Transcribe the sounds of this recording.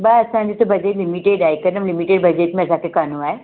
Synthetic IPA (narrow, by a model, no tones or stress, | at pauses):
baɐsãd͡ʑit̪obɐd͡ʒeʈlimiʈeɖaːjkəɾnəmlimiʈeːɖbɐd͡ʑeʈmẽɐsãkekanuae